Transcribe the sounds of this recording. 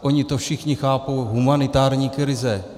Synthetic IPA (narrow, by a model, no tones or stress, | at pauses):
ʔoɲɪt̪ofʃɪxɲɪxaːpowɦumanɪt̪aːɾɲiːkɾɪzɛ